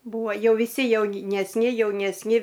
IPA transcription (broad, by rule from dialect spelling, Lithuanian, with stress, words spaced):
ˈbuːɐ ˈjɛʊ ʋʲɪˈsʲɪ jɛʊnʲɛsʲˈnʲɪ jɛʊnʲɛsʲˈnʲɪ